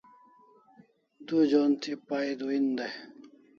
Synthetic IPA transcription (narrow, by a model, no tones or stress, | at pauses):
d̪ud͡ʑont̪ʰipaid̪uind̪e